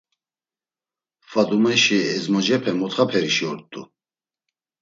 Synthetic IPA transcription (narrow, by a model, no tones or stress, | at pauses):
fad̪umɛʃiɛzmɔd͡ʒɛpʰɛmɔt̪χapʰɛɾiʃiɔɾt̪ʼṵ